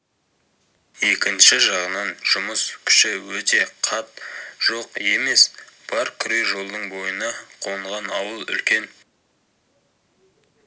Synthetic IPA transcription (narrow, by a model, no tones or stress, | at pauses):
je̞kʲɪnʃɪʒɑʁənɑnʒʊməskʲʰʏ̥ʃɪwɵt̪e̞qʰɑt̪ʒ̥oqe̞me̞sb̥ɑɾkʲʰʏɾejʒo̞lˠd̪əɴbo̞jənɑqʰo̞ɴʁɑnɑwəlˠʏ̰lkʲe̞n